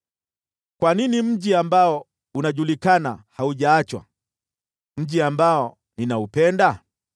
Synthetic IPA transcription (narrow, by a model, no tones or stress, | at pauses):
kwaninim̩ʄiambaɔ | unaʄulikanahauʄaːt͡ʃwa̰ | m̩ʄiambaɔ | ninaupɛnda